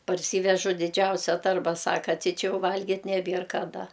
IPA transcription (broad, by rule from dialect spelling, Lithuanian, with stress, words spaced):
pɐrʲˈsʲiːʋʲɛʒʊ dʲɪˈd͡ʒʲɛʊsʲɛ ˈtɐrbɐ ˈsɑːkɐ ˈtʲɪ ˈt͡ʃʲɛ ˈjɛʊ ˈʋɐlʲɡʲɪt nʲɛˈbʲiɛr kɐˈdɐ